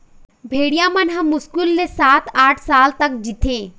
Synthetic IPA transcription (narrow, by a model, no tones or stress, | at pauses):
bʱeːɽijãmɐnɦɐ̃mʊskulːesaːt̪ʰaːʈʰsaːlt̪ɐk̚d͡ʒit̪ʰeː